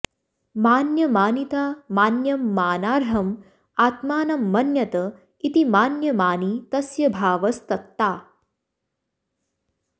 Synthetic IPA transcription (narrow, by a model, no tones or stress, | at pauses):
maːnjɐmaːnit̪aːmaːnjɐmːaːnaːɾɦɐm | aːt̪maːnɐmːɐnjɐt̪ɐ | it̪imaːnjɐmaːnit̪ɐsjɐbʱaːʋɐst̪ɐt̪ːaː